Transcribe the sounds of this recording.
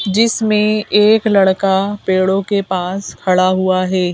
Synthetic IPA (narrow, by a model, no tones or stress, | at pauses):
d͡ʒɪsmẽeːklɐɽkapeːɽõkepaːskʰɐɭaɦuaɦɛː